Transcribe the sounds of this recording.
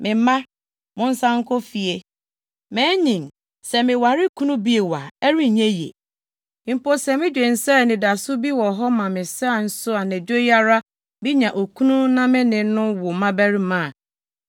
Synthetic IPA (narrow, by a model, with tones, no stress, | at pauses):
mɪ̃˨˦mã˦ | mʊ̃˦n̩˦sã˦ŋ̩˦kʰo˦fi˨e˨ | mɛ̃ː˨˦ɲĩ˨m | sɛ˨mɪ̃˨wa˨ɾɪ˦kʰũ˦nũ˦bi˦e˨wa˨ɛ˦ɾi˦˨ɲẽ˦jḛ˨˦ | m̩˨po˦sɛ˨mɪ̃˦d͡ʑᶣe˨n̩˨sɛ˦˨nɪ̃˨da˨sʊ˦bi˦wɔ˨ɦɔ˦mã˨mɪ̃˨sa˦a˨n̩˦sʊ˦a˨næ˨d͡ʑᶣo˦ja˦ɾa˦ | bi˦ɲã˨ʔo˨kʰũ˦nũ˦nã˦mɪ̃˦nɪ̃˨˦nʊ̃˦wʊ˨mã˦bæ˦ɾi˦mã˦˨